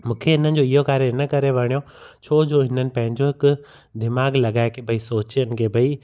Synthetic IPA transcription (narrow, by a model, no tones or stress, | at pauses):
mũːkʰeɦɪnənɪ̆d͡ʑoɪɦokaːɾeɪnəkɐɾeʋɐɽ̃ijo | t͡ɕʰoːd͡ʑoːɦɪnənɪ̆pɐ̃ɦɪ̃ɲd͡ʑoɦɪkʊ | d̪ɪmaːɡlɐɠaːekʰebʱɐisoːt͡ɕijənɪ̆kʰeːbʱɐi